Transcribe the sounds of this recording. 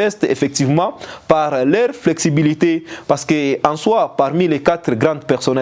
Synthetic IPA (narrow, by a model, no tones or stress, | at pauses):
ɛst̪efɛk̚t̪ivmɑ̃paʁlœʁflɛksibilit̪epaʁsə̥kəɑ̃swapaʁmilekat̪ʁɡʁɑ̃d̪pɛʁsɔnɛ